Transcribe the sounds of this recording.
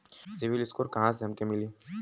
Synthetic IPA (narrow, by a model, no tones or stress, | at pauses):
siviliskʼuɾɡãzɛmkʼɛmili